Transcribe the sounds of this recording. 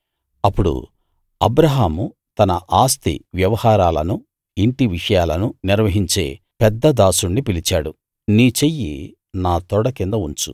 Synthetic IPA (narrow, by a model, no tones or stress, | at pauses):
ɐpːuɽṵ | ɐ̰bɾɐɦaːmu | t̪ɐnɐʔaːst̪ḭʋjɐʋɐhaːɾaːlɐnu | iɳʈiʋiʂɐjaːlɐnuniɾʋɐɦiɲt͡ʃe̞̰ː | pɛd̪ːɐd̪aːsuɳɖipilit͡ʃaːɽu | niːt͡ʃejːḭ | naːt̪ɔɽɐkind̪ɐuɲt͡ʃṵ